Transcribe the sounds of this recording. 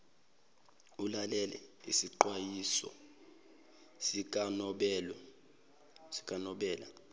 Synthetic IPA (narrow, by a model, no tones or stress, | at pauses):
ulalɛlɛ̰ḭsiǃwajisɔ̰ | sikʼanɔɓɛ | si̥kʼanɔɓɛːla